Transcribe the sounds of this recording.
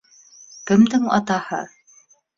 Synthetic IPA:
kɘ̆md̪ɘŋɑ̰t̪ɑhɤ̰

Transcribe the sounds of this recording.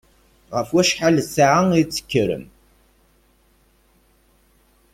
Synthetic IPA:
ʁəfwæʃħalsaʕaŋit͡sːə̥kːəɾə̰m

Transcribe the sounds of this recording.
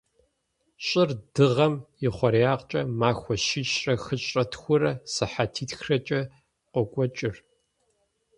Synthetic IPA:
ɕʼɪrdɨʁɐmjɪχʷɔɾijaːqt͡ʃʼɐmaːxʷɔʃɪʃrɐxɨɕʼɐtʰxʷʊrɐsɨħatʰiːtxrɐt͡ʃʼɐ | qʷɔkʷʼɔt͡ʃʼɪr

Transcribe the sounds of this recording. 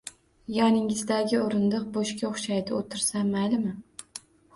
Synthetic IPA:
jɒnɪŋɪzd̪aɡʲɪoɾɪnd̪ɨq̚boʃkʲaχʃajd̪ɪot̪ʰɪɾsamalɪmɪ

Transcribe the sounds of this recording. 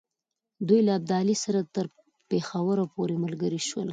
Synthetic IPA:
d̪ujlaːb̚d̪ɑlisaɾat̪əɾ | pexawəɾapoɾeməlɡəɾiʃwə̰l

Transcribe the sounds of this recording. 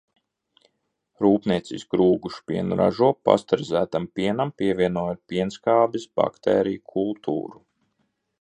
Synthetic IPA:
ɾuːpniɛt̪sḭskɾuːɡuʃpiɛnɾa̰ʒuɔpːa̰st̪aɾzæːt̪ampʲiɛnampʲiɛvʲiɛnuɔjat̪̚pʲiɛnskaːbisba̰kt̪ɛːɾijukʰulˠt̪ʰṵːɾu

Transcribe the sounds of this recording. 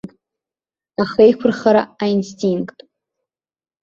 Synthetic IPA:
k | aχejkʷʰʊrχaɾaainstʰiŋkʼtʼ

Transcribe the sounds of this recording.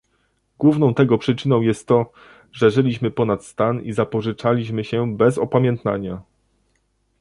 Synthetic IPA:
ɡ̥wuvnɔ̃w̃t̪ɛɡɔpʂɘt͡ʂɘnɔ̃w̃jɛst̪ːɔ | ʐɛʐɘlʲiɕmɘpɔnat̪st̪anizapɔʐɘt͡ʂalʲiɕmɘɕɛbɛzɔpamʲjɛnt̪na̰ɲa

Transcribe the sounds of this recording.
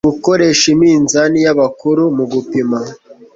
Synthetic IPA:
uko̞ɾe̞ʃimiːnzanijaβakuɾumuɡupima

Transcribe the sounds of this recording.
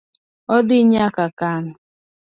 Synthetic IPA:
ɔdɪɲakakanʊ

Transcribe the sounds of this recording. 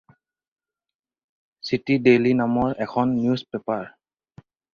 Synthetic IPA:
sitidelinamɔɹɛkʰɔnːjuspepaɹ

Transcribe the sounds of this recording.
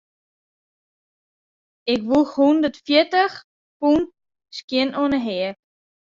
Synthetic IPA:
ɪkʋulˠxhundətfiətəx | punt | skiənɔnəɦɛə

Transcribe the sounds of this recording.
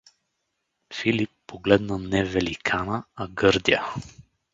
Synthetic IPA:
filipːoɡlɛd̪nənɛvɛlikʰanəɐɡɤɾd̪iə

